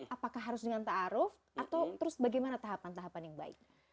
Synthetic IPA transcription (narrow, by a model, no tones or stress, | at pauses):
ʔapakahɦːaɾʊsdəŋant̪aːɾʊf | ʔat̪awt̪əɾʊsbaɡajmanat̪aɦapant̪aɦapanjaŋba̰ɪ̰k̚